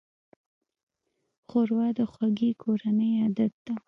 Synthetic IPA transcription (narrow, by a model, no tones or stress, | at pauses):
xoɾwɑd̪əxwaɡikʰoɾanəjɑd̪at̪̚d̪̥a